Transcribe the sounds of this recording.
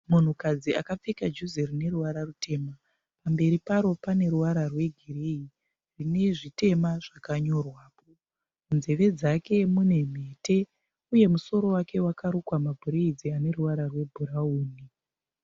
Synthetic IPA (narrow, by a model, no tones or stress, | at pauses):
mun̤ukad͡ziʔa̰kap͡fekad͡ʒuzerine̞ruʋaɾarute̞ːma | pambe̞ɾipaɾo̞pane̞ɾuʋaɾarwe̞ɡʱirei | rine̞ʐite̞maʐ̥akaɲo̞rwaːpo | unze̞ʋe̞d͡zake̞mune̞m̤e̞ːte̞ | uje̞muso̞ɾo̞wake̞wakaɾokwamabʱuɾeid͡ziane̞ruʋaɾarwe̞bʱuɾauːni